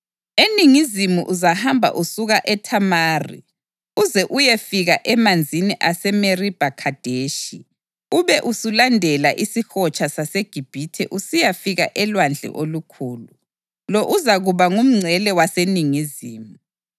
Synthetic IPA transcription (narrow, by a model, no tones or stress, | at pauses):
eniŋizimuʔuzahambʱa̰ʔusuɣaʔɛtʰamaːrḭ | uzɛʔujefiɣaʔɛmand͡zʱiniʔasɛmerib̥ʱakʰad̥ʱeʃi | uβɛʔusulandʱɛlaʔisixɔt͡ʃʼasaseɡ̥ʱib̥ʱitʰɛ̰ʔusijafiɣa̰ʔɛlwand͡ɮʱɛ̰ʔolukʰuːlu | lɔʔuzaɣuβaŋum̩ŋ͡ǀʱɛlɛwaseniŋiziːmu